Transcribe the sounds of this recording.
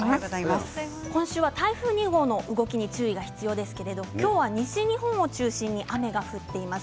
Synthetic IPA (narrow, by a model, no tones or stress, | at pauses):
aas | kõ̞ɰ̃ɕɨːβat̪aiɸɯ̟ːɲ̟iɡo̞ːno̞ʔɯ̟ɡo̞kʲiɲ̟it͡ɕɨːiɡaçi̥t͡sɨjo̞ːd̪e̞sɨ̥ke̞ɾe̞d̪o̞kʲo̞ːβaɲ̟iɕiɲ̟iɦõ̞ɰ̃o̞t͡ɕɨːɕĩɲ̟ːiʔame̞ɡaɸɯ̟t̪ːe̞imas